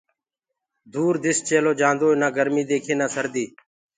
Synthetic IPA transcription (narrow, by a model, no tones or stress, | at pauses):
d̪uːɾd̪ɪst͡ʃeːloːd͡ʒãːnd̪oːnaːɡəɾmĩːd̪eːkʰeːnaːsəɾd̪iː